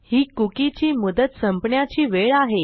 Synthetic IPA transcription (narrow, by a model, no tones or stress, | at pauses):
hiːkukit͡ɕiːmud̪ət̪səmpɳjat͡ɕiːʋeɭaɦe